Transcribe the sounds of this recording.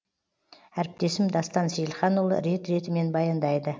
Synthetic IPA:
æɾɪp̚t̪e̞sɪmd̪ɑst̪ɑnsejlˠχɑnolˠə̰ɾe̞t̪ɾe̞t̪ɪme̞nbɑjɑnd̪ɑjd̪ə

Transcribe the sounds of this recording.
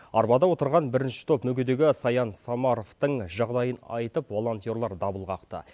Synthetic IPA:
ɑɾbɑd̪ɑwo̞t̪əɾʁɑnbɪɾɪnʃɪ̥t̪ʰopmɵɡʲed̪e̞ɡʲɪsɑjɑnsɑmɑɾo̞ft̪əɴʒɑʁd̪ɑjənɑ̰jt̪əpvo̞lˠo̞nt̪ijo̞ɾlˠɑɾd̪ɑbəlˠʁɑqt̪ə̰

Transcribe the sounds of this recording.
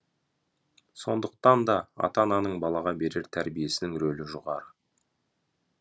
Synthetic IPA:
so̞nd̪əq̚t̪ɑnd̪ɑɑ̰t̪ɑnɑnəɴbɑlˠɑʁɑbe̞ɾe̞ɾt̪ʰæɾbije̞sɪnɪŋɾɵlɪʒʊʁɑɾə

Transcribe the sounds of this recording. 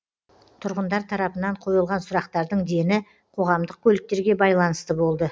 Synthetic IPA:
t̪ʰʊɾʁənd̪ɑɾt̪ʰɑɾɑpənɑɴqʰo̞jəlˠʁɑnsʊɾɑqt̪ɑɾd̪əɴd̪e̞nɪ | qʰo̞ʁɑmd̪əq̚kʲʰɵlɪk̚t̪e̞ɾɡʲe̞bɑjlˠɑnəst̪əbo̞lˠd̪ə

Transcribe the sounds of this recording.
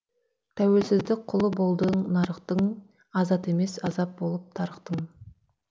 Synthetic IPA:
t̪ʰæwe̞lsɪzd̪ɪk̚qʰʊlˠəbo̞lˠd̪əɴnɑɾəqt̪əɴ | ɑzɑt̪e̞me̞sɑzɑp̚bo̞lˠəp̚t̪ʰɑɾəqt̪əm

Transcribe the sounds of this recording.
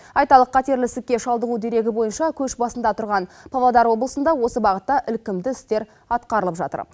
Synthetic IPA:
ɑjt̪ɑlˠəqqʰːɑt̪e̞ɾlɪsɪkʲːe̞ʃɑlˠd̪əʁud̪e̞ɾe̞ɡʲɪbo̞jənʃɑkʲʰɵʃbɑsənd̪ɑt̪ʰʊɾʁɑnpʰɑlˠɑd̪ɑɾwo̞blˠəsənd̪ɑwo̞səbɑʁət̪ːɑʔɪlkʲɪmd̪ɪɪst̪e̞ɾ | ɑt̪qɑɾəlˠəpʒɑ̰t̪ə̰ɾ

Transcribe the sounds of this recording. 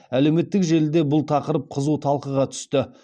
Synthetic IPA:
æle̞wme̞t̪ːɪkʒe̞ld̪e̞bʊlˠt̪ʰɑqəɾəp̚qʰəzut̪ʰɑlˠqəʁɑt̪ʰʏ̥st̪ɪ

